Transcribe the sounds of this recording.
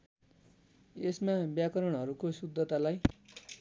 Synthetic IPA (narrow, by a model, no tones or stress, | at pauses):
esmabjakʌɾʌɽ̃ɦʌɾukosud̪ʱːʌt̪alaj